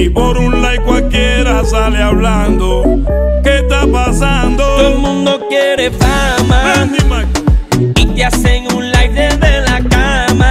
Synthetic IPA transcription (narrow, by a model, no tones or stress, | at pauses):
ipoɾũlaikwalkjɛɾasalealand̪oket̪apasãnd̪od̪omũnd̪okjeɾefamaend̪ima | it̪jaseŋũlajðeðelakama